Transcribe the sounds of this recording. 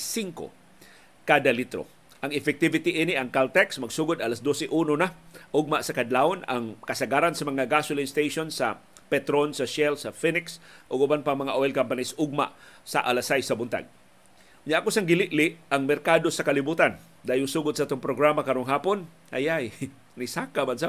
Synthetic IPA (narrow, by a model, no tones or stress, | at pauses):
siŋko̰ | kaːd̪alit̪ɾo̰ | ʔɐŋɪfɛk̚t̪ɪvɪt̪iʔinɪʔɐŋkalt̪ɛksmɐɡsuːɡʊd̪alasd̪osɛʔunonaʔʊɡ̚maʔsɐkɐd̪laona̰ŋkɐsaɡaːɾansɐmɐŋaɡasʊlinst̪ejʃonsa̰ | pɛt̪ɾonsɐʃɛlsɐfinɪksʔʊɡʊbanpaŋmɐŋaʔoɛlkampanisʔʊɡ̚ma̰ʔsa̰ʔalasajsɐbʊnt̪a̰ɡ̚ | ɲaʔkosaŋɡɪlɪʔlɪʔaŋmɛɾkad̪osɐkalɪbuːt̪an | d̪aːjʊŋsuːɡʊd̪saaːt̪oŋpɾoɡɾamakɐɾoŋɦaːpon | ha̰jaj | nisaːkamansa